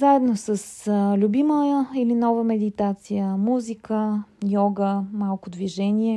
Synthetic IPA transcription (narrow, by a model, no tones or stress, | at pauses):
zaɛd̪nosəslʲubiməilinɔvəmɛd̪it̪at̪sijəmuzikəjɔɡəmalˠkʊd̪viʒɛniɛ